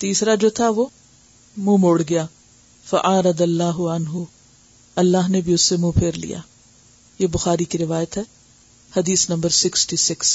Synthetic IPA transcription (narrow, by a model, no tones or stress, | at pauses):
t̪iːsɾad͡ʒoːt̪ʰaʋoː | mũːmoːɽɡɐjaː | fɐʔaːɾɐd̪ɐlːaːɦʊʕɐnɦʊ | ɐlːaːɦnebʱiʊsːemũpʰeːɾlḭja̰ː | jeːbʊxaːɾikiɾɪʋaːjət̪ɦɛː | hɐd̪iːsnɐ̃mbəɾsɪksʈisɪks